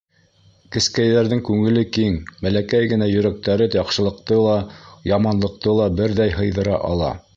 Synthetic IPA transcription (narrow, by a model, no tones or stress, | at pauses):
kɘ̆skæjðæɾðɘŋkʉŋɘ̆lɘkiŋmælækæjɡɘ̆næjɵ̆ɾæk̚t̪æɾɘjɑqʃɤ̆lˠɤ̆q̚t̪ɤlˠɑjɑmɑnlˠɤ̆q̚t̪ɤlˠɑbɘɾðæjɦɤ̆jðɤ̆ɾɑ̰ʔɑ̰lˠɑ̰